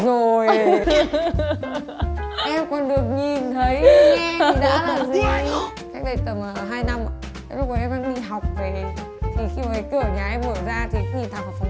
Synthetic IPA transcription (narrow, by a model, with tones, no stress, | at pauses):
zo˨˩j | ʔɛ˧mkɔ˨˩nɗɨ˨˩ək̚ɲi˨˩nt̪ʰə˨˦j | ɗaəː˨˧˦laː˨˩zu˨˧˩a˧jŋ | ka˦˥k̟̚ɗə˨˧˩jt̪ə˨˩mə˨˩ɦaː˧jna˧mʔa̰ː˧˨˧ | lʊ˦˥k͡p̚ka˨˩ʔɛ˧mɗa̰ː˧˥ŋɗḭ˧ɦa˨˩wk͡p̚ve˨˩ | t̪ʰi˨˩xi˧maː˨˩˨kɨ˧˩ə˧˨˩ɲaː˨˩ʔɛ˧mʔo˧˩jzaː˧t̪ʰi˨˩kɲi˨˩nt̪ʰa˨˩ŋha˨˩fa˨˦ŋ͡m